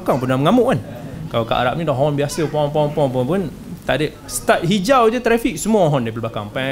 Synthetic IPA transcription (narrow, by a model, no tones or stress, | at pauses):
kaŋpunaməŋamʊʔkan | kalaka̰ʔa̰ɾa̰p̚nĩdɔʔɦɔnbiasəpɔŋpɔŋpɔŋp̬əpʊn | t̪aʔdə | st̪at̚ɦid͡ʒawd͡ʒət̪ɾɛfik̚səmuaɔɦɔndajp̬aləblakaŋpɛ